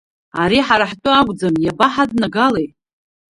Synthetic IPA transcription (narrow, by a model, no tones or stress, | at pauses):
aɾiħaɾaħtʷʼʊaɡʷʼd͡zamjabaħadnaɡalejt